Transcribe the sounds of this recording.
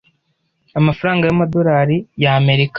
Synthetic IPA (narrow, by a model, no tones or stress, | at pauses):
amafaɾaːŋɡajamadoɾaːɾijaːme̞ɾikḁ